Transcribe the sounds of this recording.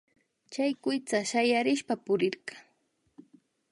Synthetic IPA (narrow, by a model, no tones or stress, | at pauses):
t͡ʃajkʊjt͡saʃajaɾɪʃpapʊɾɪɾɢɑ